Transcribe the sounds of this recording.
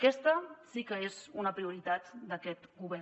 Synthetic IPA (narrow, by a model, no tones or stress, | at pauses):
kɛst̪əsikəezunəpɾiuɾit̪at̪d̪akɛt̪ɡuβ̞ɛ